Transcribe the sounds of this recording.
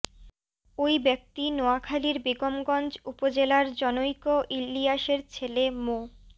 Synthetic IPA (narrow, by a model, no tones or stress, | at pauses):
ojbɛk̚t̪inoakʰaliɾbiɡomɡɔnd͡ʑupod͡ʑelaɾd͡ʑɔnojkoʔilːijaʃeɾt͡ɕʰelemo